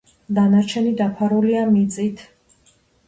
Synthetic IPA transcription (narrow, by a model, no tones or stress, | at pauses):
d̪anaɾt͡ʃʰɛnid̪apʰaɾuliamit̪sʼit̪ʰ